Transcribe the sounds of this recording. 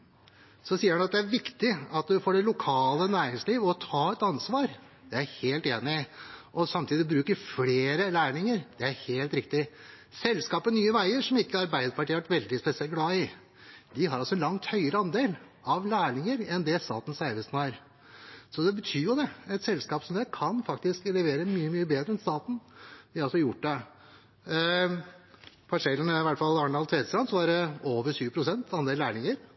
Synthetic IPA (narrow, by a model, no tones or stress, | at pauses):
sɔsiːəhɛnɑt̪̚d̪ɛæɾʋɪkt̪ɪɑt̪d̪ʉfoːɖɛlʊkʰɑːlənæːɾɪŋsliːʋɔt̪ʰɑːɛt̪ɑnsʋɑːɾ | d̪ɛæɾheːlt̪eːnɪʔɔsɑmt̪ʰiːd̪ɪbɾʉːkəɾfleːɾəlæːɳɪŋəɾd̪̥ɛæɾheːlt̪ɾɪk̚t̪ɪ | sɛlskɑːpənyːəʋæɪəɾʂɔmɪkːəɑɾbæɪd̪əɾpɑʈʰiːʋæʈʋɛld̪ɪspɛsɪɛlɡlɑːɪ | d̪ɪɦɑɾɑlsɔɛnlɑŋt̪hœʏəɾəɑnd̪eːl | ɑʋlæːɳɪŋəɾɛnd̪ɛst̪ɑ̰ːt̪n̩sæɪʋəsnæɾ | sɔd̪ɛbət̪ʰyːɾjʊd̪ɛɛt̪sɛlskɑːpsɔd̪ɛkʰɑnfɑkt̪ɪsklɛʋeːɾəmyːəmyːəbeːd̪ɾəɛnst̪ɑːt̪n̩ʋɪɑɾɑlsɔjʊʈːd̪ɛ | pʰɑʂɛlːənəɪʋæʈːfɑlɑɳɑlt̪ʰʋeːsɾɑnsɔʋɑɾəoːʋəɾʂyːʋəpʰɾʊsɛnt̪ʰɑnd̪eːlæːɳɪŋəɾ